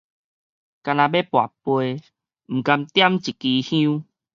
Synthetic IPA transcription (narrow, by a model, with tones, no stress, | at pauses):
ka˧nã˧be˦pwa˨˩pwe˧ | m̩˨˩ka˧mt̪ja˦mt͡ɕi˨ki˧hĩ˦